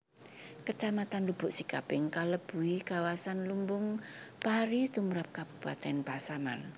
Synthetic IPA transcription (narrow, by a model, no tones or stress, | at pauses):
kət͡ʃamat̪anlub̥ʊ̤ʔsikapɪŋkaləb̥uikawasanlumbʊŋpaɦɾit̪umɾap̚kab̥ub̥a̰t̪ɛnpasama̰n